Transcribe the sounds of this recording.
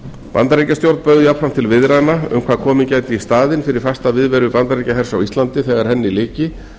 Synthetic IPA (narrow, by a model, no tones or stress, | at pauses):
pa̰nt̪aɾejcast̪jowɾt̪pœɣðʏjapfɾam̥t̪ʰɪlvɪðɾaðnaʏ̰mkʰvaːðkʰɔːmɪcaːjt̪ɪist̪aːðɪnfɪɾɪɾ̥fast̪avɪðvɛːɾʏpant̪aɾejcaɦɛɾ̥sawist̪lant̪ɪθɛɣaɾ̥hɛnːɪilɪːcɪ